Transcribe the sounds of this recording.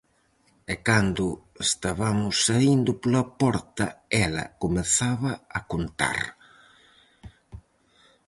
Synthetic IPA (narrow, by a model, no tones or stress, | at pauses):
ekand̪ʊest̪aβamʊsːaind̪ʊpolɐpɔɾt̪ɐɛlɐ̰kʊmeθaβɐɐkont̪a̰ɾ